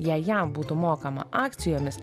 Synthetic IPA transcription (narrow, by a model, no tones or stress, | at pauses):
jɛjɛmbuːt̪ʊmoːkɐmɐ̰ʔɑːkt̪sʲɪjoːmʲɪs